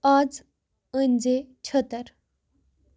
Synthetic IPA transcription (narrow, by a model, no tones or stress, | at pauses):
ad͡z | ənd͡zet͡ɕʰət̪əɾ